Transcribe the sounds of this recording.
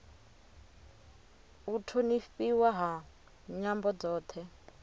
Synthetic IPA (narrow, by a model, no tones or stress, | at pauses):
utʰonifiwaɦa | ɲambɔd͡zɔːt̪ʰɛ